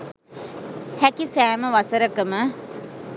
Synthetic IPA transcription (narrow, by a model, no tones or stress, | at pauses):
hækisæːməʋasəɾəkəmə